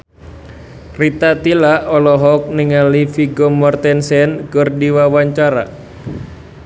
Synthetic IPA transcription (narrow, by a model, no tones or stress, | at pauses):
rit̪at̪ilaɔlɔɦɔk̚niŋalifiɡɔmɔrt̪ɛnsɛnkərdiwawaɲt͡ʃaɾa̰